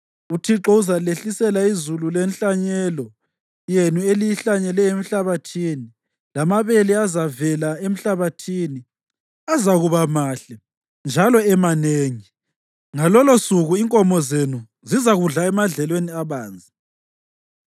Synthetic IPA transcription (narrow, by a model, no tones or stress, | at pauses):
utʰiǁɔuzaleɬisɛlaizululɛnɬʼaɲɛlɔ | jenuelijiɬaɲɛlɛem̩ɬaβatʰiːni | lamaβeliazavɛlaem̩ɬaβatʰini | azaɣuβamaːɬɛ | nd͡ʒʱalɔɛmaneːŋi | ŋalɔlosuɣuiŋkʼɔmɔzenu | zizaɣuɮaɛmaɮɛlweniaβaːnd͡zʱi